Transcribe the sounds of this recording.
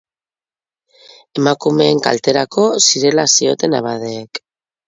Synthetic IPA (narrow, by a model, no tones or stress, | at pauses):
e̞makume̞ːŋka̰lt̪e̞ɾako̞siɾe̞lasio̞t̪e̞na̰βað̞eːk